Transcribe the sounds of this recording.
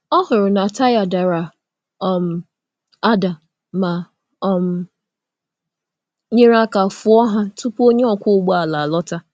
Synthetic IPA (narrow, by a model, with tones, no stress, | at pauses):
ɔ˦ɦʊ˨ɾʊ˨na˨ta˦ja˨da˨ɾa˨ | ɔ˨m̩˨ | a˦da˨ | ma˨ | m̩˨ | ɲe˦ɾa˦ka˨fʊ˦ɔ˦ɦa˦tʊ˦po˦ɲe˦ɔ˨kʷʊ˦ʊ˨˦ɡ͡ba˨la˨lɔ˦ta˦